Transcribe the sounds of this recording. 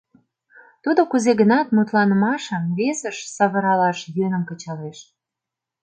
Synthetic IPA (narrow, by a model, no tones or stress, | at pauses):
t̪ud̪okuzeɡənɑt̪mut̪lɑnəmɑʃəmβesəʃsɑβə̆ɾɑlɑʃjønəmkə̆t͡ɕɑleʃ